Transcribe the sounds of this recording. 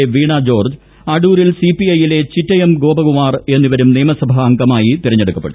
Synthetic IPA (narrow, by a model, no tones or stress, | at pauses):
eʋiːɳad͡ʑo̞ːrd͡ʑ | ɐɽuːɾilsipiɐjile̞t͡ɕitːɐjemɡo̞ːbɐɣumaːre̞nːiʋɐɾumneːmɐsɐbʱɐːŋɡɐmaːjit̪iɾɐɲːeɽukːɐpːeɽu